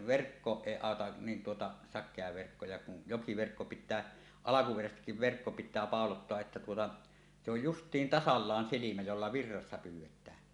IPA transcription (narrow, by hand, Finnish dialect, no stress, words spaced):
ʋerkːoːʔ ʔeˑi ɑˑotɑ nin tuotɑ sɑkˑeɑ ʋerkːo jɑ kun jokiʋerkːo pitˑæː ɑlɑkuperæsestikːiʋ ʋerkːo pitˑæː pɑˑolotːoɑʔ ʔetːæ tuotɑ se oj justˑiːn tɑsɑlːɑːn silimæ jolːɑ ʋirːɑsːɑ pyːwˑetˑæː